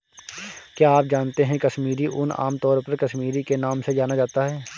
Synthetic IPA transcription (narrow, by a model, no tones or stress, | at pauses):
kjaːaːp̚d͡ʒaːnt̪eɦɛ̃kɐʃmiːɾiʔʊna̰ːmt̪ɔːɾpɐɾkɐʃmiːɾikenaːmsed͡ʒaːnad͡ʒaːt̪aɦɛː